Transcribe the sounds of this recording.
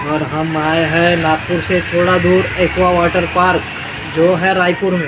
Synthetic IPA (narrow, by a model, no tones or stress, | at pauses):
ɔːɾɦɐmaːeɦɛnaːt̪̚pʊɾset̪ʰoːɽad̪uːɾeːkʋaʋaːʈəɾpaːɾk | d͡ʒoːɦɛɾaːipʊɾmẽː